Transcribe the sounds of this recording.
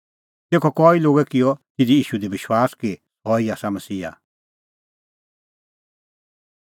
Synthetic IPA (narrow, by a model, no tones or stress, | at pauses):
t̪eːkʰɔkɔːiloːɡɛkɪjɔt̪ɪd̪iiːʃud̪ibɪʃwaːski | ɦɔːiaːsamɐsiːa̰